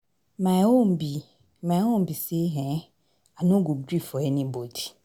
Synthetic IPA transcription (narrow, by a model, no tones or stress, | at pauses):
mãombi | mãwom̩biseɦɛ̃ | anũɡuɡɾifɔɛnĩbodi̥